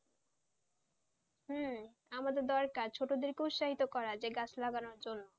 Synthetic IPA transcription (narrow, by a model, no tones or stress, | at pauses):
ɦ̩ | amad̪eɾd̪ɔɾkaɾt͡ɕʰoʈod̪iɾkeut̪ʃaɦit̪okɔɾad͡ʑeɡat͡ɕʰlaɡanoɾd͡ʑonːo